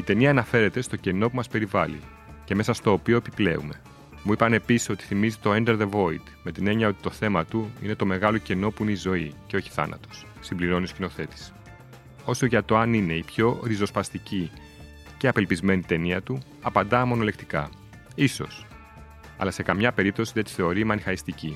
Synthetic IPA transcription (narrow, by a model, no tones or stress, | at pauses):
it̪e̞niɐːnɐfe̞ɾe̞t̪e̞st̪o̞ce̞no̞pumɐspe̞ɾivɐlḭ | ce̞me̞sɐst̪o̞ːpio̞epiple̞̰ume̞ | muipɐne̞pisi̥so̞t̪i̥θimizit̪o̞end̪eɾðe̞vo̞it̪me̞t̪ine̞ɲɐo̞t̪i̥t̪o̞θe̞mɐt̪uḭne̞t̪o̞me̞ɣɐlo̞ce̞no̞puineizo̞ice̞o̞çi̥θɐ̰nɐ̰t̪o̞̥sːimbliɾo̞niscino̞θe̞t̪i̥s | o̞so̞ʝɐt̪o̞ɐnine̞ipço̞ɾizo̞spɐst̪ici | ce̞ɐpe̞lpizme̞nit̪e̞niɐt̪u | ɐpɐnd̪ɐmo̞no̞le̞kt̪ikɐ̰ | iso̞̰s | ɐ̰lɐse̞kɐmɲɐpe̞ɾip̚t̪o̞siðet̪i̥θe̞o̞ɾimɐnixɐist̪ici